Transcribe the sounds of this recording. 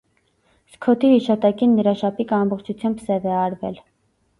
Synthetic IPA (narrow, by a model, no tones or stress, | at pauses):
skʰɔt̪ʰihiʃɑt̪ɑkinːəɾɑʃɑpʰikɑmbɔχt͡ʃʰut͡sʰjɑmbsɛvɛɑɾvɛ̰l